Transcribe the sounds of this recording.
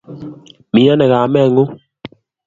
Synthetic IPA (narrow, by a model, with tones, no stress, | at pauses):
mi˨˦a˦nɛ˨ɣa˨mɛ˦˨ŋo˦